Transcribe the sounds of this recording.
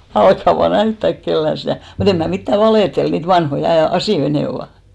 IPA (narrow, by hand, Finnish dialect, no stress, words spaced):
ælkːæ ʋɑː næytːæk kelːæn̞ stæˑ mut em mæ mitːæ ʋɑleˑtel niːt ʋɑnhoi ɑ ɑsiˑj̆oi neˑ oʋɑˑ